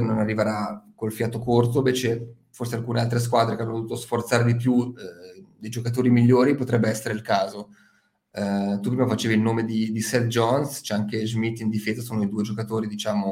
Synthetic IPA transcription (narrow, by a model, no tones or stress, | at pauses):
nonarːiveɾakolfjaːt̪okort̪̬oĩbet͡ʃe | forsealkuːnealt̪ɾes̬kwad̪ɾekeanːoovut̪osfort̪saːɾed̪ip̬ju | d̪ejd͡ʒokat̪̬oːɾimiʎːoːɾipot̪ɾɛbːeɛsːeɾeilkaːzo | t̪upːɾimafat͡ʃeːvilnoːmed̪id̪isɛt̪̚d͡ʒɔnst͡ʃɛaŋkezmit̪ːind̪ifeːzasoːnoid̪uːed͡ʒokat̪oːɾid̪it͡ʃaːmo